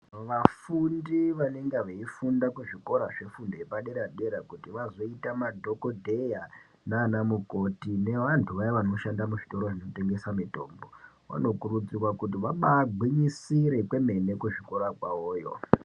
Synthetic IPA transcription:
ʋafundiʋane̞ŋɡeʋeifundakuʐiko̞ɾaʐe̞fundojepaɗe̞ɾaɗe̞ɾakutiʋazo̞itamadʱo̞ko̞dʱeja | naːnamuko̞tine̞ʋantʰuʋajiʋano̞ʃandamuʐito̞ɾo̞ʐino̞te̞ŋɡe̞samito̞̰ːmbo̞ | ʋa̰no̞kurud͡zirwakut̬iʋaɓaɡʱwiɲisiɾe̞kwe̞me̞ne̞kuʐiko̞ɾakwaoːjo̞̰

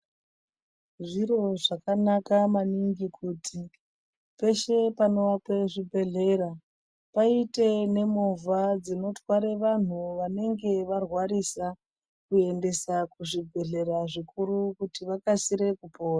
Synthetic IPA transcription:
ʐiɾo̞ʐakanakamaniŋɡikʰuːtʰi | pe̞ʃe̞pano̞ʋake̞ʐibʱe̞ɮe̞ɾa | paite̞ne̞movad͡zino̞twaɾeʋan̤uʋane̞ŋɡe̞ʋarwaɾisa | kue̞nde̞sakuʐibʱe̞ɮe̞ɾaʐikuɾukutiʋakasiɾe̞kupo̞ːra

